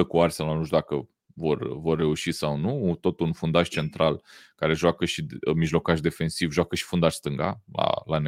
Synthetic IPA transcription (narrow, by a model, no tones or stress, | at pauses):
əkuarsaanuʃd̪akə | vo̞rvo̞rːe̞uʃisawnut̪o̞t̪unfund̪aʃt͡ʃe̞nt̪ɾalkaɾe̞ʒoakəʃimiʒlo̞kaʃd̪e̞fe̞nsivʒwakəʃi̥fund̪aʃʲst̪ɨŋɡa̰la̰lane